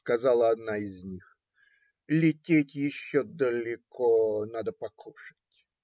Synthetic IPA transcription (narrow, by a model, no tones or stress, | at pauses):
skɐzalˠəɐd̪naɪzʲnʲix | lʲɪtʲetʲjɪɕːod̪əlʲɪkʰonad̪əpɐkʰuʂɨ̥tʲ